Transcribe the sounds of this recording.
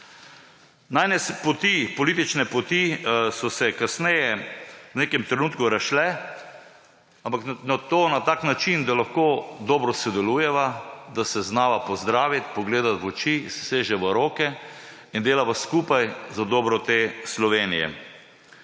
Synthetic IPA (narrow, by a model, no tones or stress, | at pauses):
najnɛspot̪ipɔliːt̪it͡ʃnɛpɔt̪isɔsɛkasnɛjɛwneːkɛmt̪ɾɛnuːt̪kuɾaʃlɛ | ampaknat̪oːnat̪aːknat͡ʃind̪alaxkoːd̪ɔːbɾɔsɛd̪ɛlujɛʋad̪asɛznaːʋapɔzd̪ɾaːʋit̪pɔɡleːd̪at̪ʋɔt͡ʃisseːʒɛʋəɾoːkɛ | ind̪eːlaʋaskuːpajzad̪ɔbɾɔt̪eslɔʋeːnḭjɛ̰